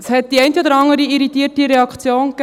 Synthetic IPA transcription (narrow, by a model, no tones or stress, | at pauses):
shɛt̚d̥̪iɛɪntiod̪əɾɑŋəɾiiɾitiːtiɾɛɑkt͡sjoːnk